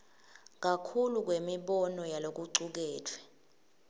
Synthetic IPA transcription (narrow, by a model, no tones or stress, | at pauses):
k̬akʰuluk̬wemiɓɔnɔjalok̬uǀuk̬ɛːtʰwɛ̥